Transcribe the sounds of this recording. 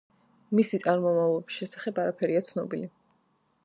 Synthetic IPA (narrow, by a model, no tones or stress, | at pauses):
misit̪sʼaɾmɔmavlˠɔbisʃɛsaχɛbaɾapʰɛɾiat̪sʰnɔ̰bili